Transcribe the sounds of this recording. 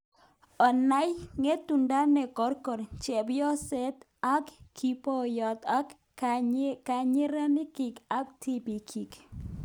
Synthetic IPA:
ɔ˨na˦jŋe˦tu˨nda˦nɛ˨kɔ˨˦ɾkɔ˨ɾt͡ʃɛ˨bjɔ˦sɛ˦t̪ | a˦kkʰːi˨pɔ˦jɔ˨t̪a˦k | ka˨ɲɪ˦ɾa˦nɪ˦ki˨ka˦ktʰi˦bi˨kʰi˨k

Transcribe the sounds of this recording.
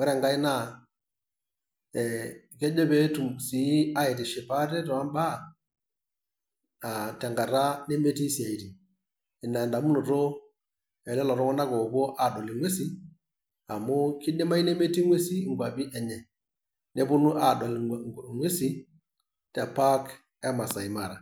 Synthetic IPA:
wɛ˦ɾɛ˨ŋɡa˦i˦na˦˨ | ke˦d͡ʒe˦be˦tu˨msi˨˦a˦ji˨ti˨ʃi˨pa˦tɛ˦tɔ˨a˦mba˦˨ | a˨tɛ˨ŋɡa˨ɾa˦ne˦me˦ti˦si˨a˨i˨ti˨ | i˨nːa˨nda˨mu˦nu˨to˦ | e˨lɛ˦lɔ˨ɾɔ˦kɔ˦na˦ɡo˨bo˦ʔa˨do˨li˨ŋwe˦si˦ | a˨mu˦ki˦dɛ˦ma˦i˦ne˦me˦ti˦ŋwe˦si˦˨ɡʷa˨bi˦ʔɛ˨ɲɛ˨ | ne˦bu˦nu˦ʔa˨do˨lŋwe˦si˦ | te˨pa˦k | a˦ma˨sa˨i˨ma˨ɾa˨

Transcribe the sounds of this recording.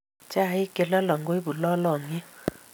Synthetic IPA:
t͡ʃa˦˨ɪ˦ke˨lɔ˦lɔ˨ŋɡo˦i˦bu˨lɔ˦lɔ˨ŋɪ˦

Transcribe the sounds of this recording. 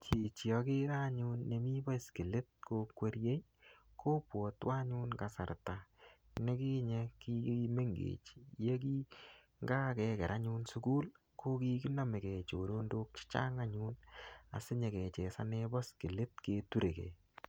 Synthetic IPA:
t͡ʃi˨t͡ʃi˨ɔ˨ke˦ɾa˦ɲu˦nːe˨mi˦bɔ˦ski˨lɪ˦t̚ko˧kwe˦ɾje˦ | ko˦pwɔ˨twa˦ɲu˦nka˨sa̰˨ɾta˨ | ne˦ki˦ɲeki˦me˦ŋɡḛ˨t͡ʃje˦k̬i˦ | ŋɡaː˦kɛ˧kɛ˨ɾʔa˦ɲu˧nsu˦ku˦l | ko˦ki˦ki˦nɔ˦me˨kɛ˨t͡ʃo˨ɾo˦ndo˦k̚t͡ʃi̥˦t͡ʃa̰˦ŋa˦ɲuna̰˨sɪ˦ɲɛ˨kɛ˨t͡ʃɛ˨sa̰˦nɛbɔ˦ski˨lɪ˦t̚ke˨tu˦ɾe˨kḛ˨

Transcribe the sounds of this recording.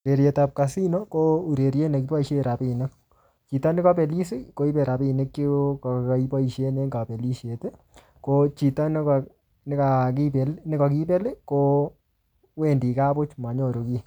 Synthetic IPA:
ɾe˨ɾje˨tap̚ka˨si˦nɔ˦ko˦u˨ɾe˨ɾje˦ne˨ki˦pa˦i˨ʃe˦ɾa˨pi˨ne˦k | t͡ʃi˨ta˦nɪ˦ka˦pe˨li˦si˦ko˦i˦pɛ˨ɾa˨pi˦ne˦kːi˦ki˦pa˦i˨ʃe˦ne˦ŋɡa˨pe˨li˦ʃe˨te˦ | kot͡ʃi˨ta˦n˦k | nɪ˦ka˨kipe˨lnɪ˦ka˨k̬i˦pe˦lɪ˦ko˦ | we˦ndi˨ka˦bʊ˦t͡ʃma˨ɲo˦˨ɾo˨ki˦

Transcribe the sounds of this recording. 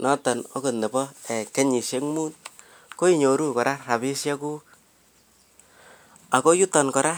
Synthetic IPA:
nɔ˦tɔ˨no˦ko˨nɛ˨pɔ˦ɛ˨kɛ˦ɲi˨ʃje˦ŋmu˦n | ko˦i˦˨ɲo˨ɾu˦kɔ˨ɾa˦ra˨bi˦sjɛ˦ku˦ | a˨ko˦ju˦tɔ˨nkɔ˨ɾʔa˦

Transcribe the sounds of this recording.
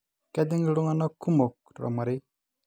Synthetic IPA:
ka˦di˦ŋi˦ɾu˦ŋa˦na˦ku˦mo˨k | ɾo̰˨ma˨ɾi˦

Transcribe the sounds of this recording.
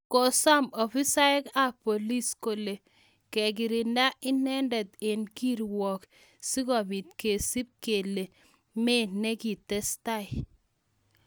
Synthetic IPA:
ko˨sa˦mɔ˨fi˦sa˦ɛ˦ka˦˨po˨li˦sko˨le˨ | kɛ˨ɡ̬ɪ˨ɾi˨nda˦ʔɪ˦nɛ˦ndɛ˨t̪e˨nki˦ɾwɔ˨k | si˦kɔ˨bi˨t̪ke˨si˦p̚ke˨le˨ | me˦ne˦ki˨tɛ˦sta˦˨ɪ˨

